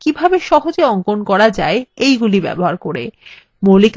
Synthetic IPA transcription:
kibʱabeʃɔɦod͡ʑeɔŋkonkɔɾad͡ʑaeejɡulibɛ̰boɦaɾkoɾḛ | molik

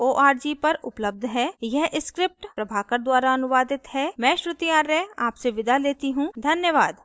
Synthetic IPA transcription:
oːʔaːɾd͡ʒiːpɐɾʊpləb̚d̪ʱɦɛːjɛɦʔɪskɾɪp̚ʈpɾɐbʱaːkəɾd̪waːɾaɐnʊʋaːd̪ɪt̪ɦɛːmɛ̃ːʃɾɪt̪ijaːɾːɛaːpseʋɪd̪aleːt̪iɦũːd̪ʱɐnjəʋaːd̪

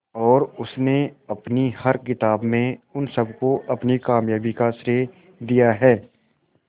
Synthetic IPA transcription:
ɔːɾʊsneɐpnihɐɾkɪt̪aːbmẽʊnsɐbkoʔɐpnikaːmjaːbikasɾe | d̪ijaɦɛː

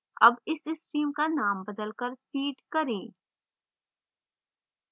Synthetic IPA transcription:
ɐ̰bɪsɪsʈɾiːmkanaːmbɐd̪əlkəɾfʰiːʈkɐɾẽː

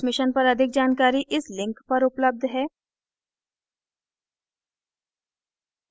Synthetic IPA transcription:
smɪʃənpɐɾɐd̪ʱɪk̚d͡ʒaːnkaːɾiʔɪslɪ̃ŋkpɐɾʊpləb̚d̪ʱɦɛː

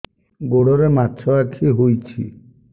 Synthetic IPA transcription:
ɡoɽɔɾematːt͡ʃʰɔakʰiɦojt͡ʃʰḭ

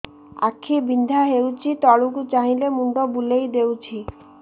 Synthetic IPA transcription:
a̰kʰːibind̪ʱaɦewt͡ɕʰit̪ɔɭukut͡ʃaɦĩlemuɳɖɔbulejd̪ewt͡ʃʰi

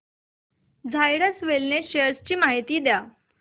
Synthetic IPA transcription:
d͡zʱajɽəsʋelneɕeəst͡ɕiːmaɦit̪iːd̪ja

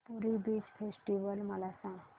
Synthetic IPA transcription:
puɾibit͡ʃpʰesʈiʋəlməlasã

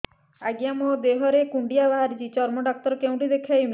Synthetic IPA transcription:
aɡijamod̪eɦɔɾekuɳɖijabaɦaɾid͡ʒit͡ʃɔɾmɔɖak̚t̪ɔɾɔkew̃ɳʈid̪ekʰajmi

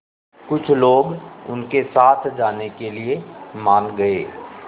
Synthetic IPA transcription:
kʊt͡ʃʰloːɡʊ̰nkesaːt̪ʰd͡ʒaːnekeliemaːnɡɐḛː

